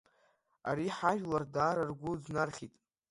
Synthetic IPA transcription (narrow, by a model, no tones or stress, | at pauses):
a̰ɾiħaʒᶣlardaːɾarɡʷʊd͡znarχʲitʼ